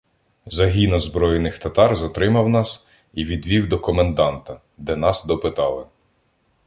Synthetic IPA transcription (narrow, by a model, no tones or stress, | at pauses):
zɐɦʲinɔzbɾɔjɪnɪxt̪ɐt̪ɑrzɐt̪ɾɪmɐwnɑs | iʋʲid̪ʋʲiwd̪ɔkɔmend̪ɑnt̪ɐ | d̪ɛnɑsd̪ɔpɪt̪ɑlˠɪ